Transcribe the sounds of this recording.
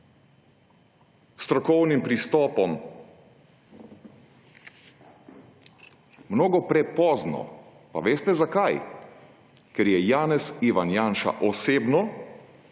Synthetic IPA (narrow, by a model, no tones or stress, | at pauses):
st̪ɾɔkɔwnimpɾist̪ɔːpɔm | mnoːɡɔpɾɛpɔːznɔ̰ | pa̰ʋeːst̪ɛzakaj | kɛɾjɛjaːnɛsiʋanjanʃa̰ʔɔseːbnɔ